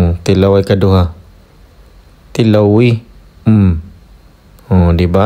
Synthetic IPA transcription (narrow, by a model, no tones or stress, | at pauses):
t̪ilawajkaduɦa | t̪ilawi | m | ɔ̃diba